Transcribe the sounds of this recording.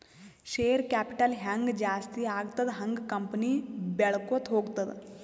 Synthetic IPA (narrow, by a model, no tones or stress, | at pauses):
ʃeːɾkæːpiʈɐlɦaŋɡd͡ʒaːst̪iːaːɡt̪ɐd̪ɦɐŋɡkɐmpniːbɛɭkot̪ɦoːɡt̪ɐd̪